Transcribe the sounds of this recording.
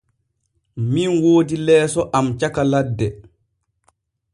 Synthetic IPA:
minwoːdilɛːsɔʔamt͡ʃakaladːɛ

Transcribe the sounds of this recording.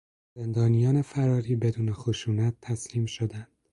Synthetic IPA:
zend̪ɒːnijɒːnefæɾɒːɾiːbe̞d̪uːnexoʃuːnæt̪ʰːæsliːmʃod̪ænd̪

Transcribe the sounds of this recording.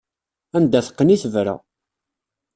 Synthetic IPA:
ænd̪æθə̥qːəniθəvɾæ̰

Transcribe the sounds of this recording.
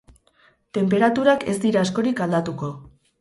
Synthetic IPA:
t̪e̞mpe̞ɾat̪uɾake̞zd̪iɾaːsko̞ɾikald̪at̪uko̞

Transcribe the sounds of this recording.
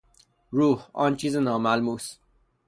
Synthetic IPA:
ɹuhɔ̰nt͡ʃizənamalmus

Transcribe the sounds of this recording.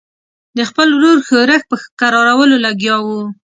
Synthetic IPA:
d̪əxpəlwɾoɾxoɾəxpəxkaɾɑɾawəlolaɡjɑwu

